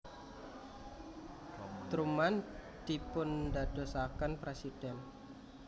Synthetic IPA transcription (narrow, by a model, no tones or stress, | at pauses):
t̪ɾuman | d̪̥ipʊndad̥o̤sakanpɾesid̥ɛn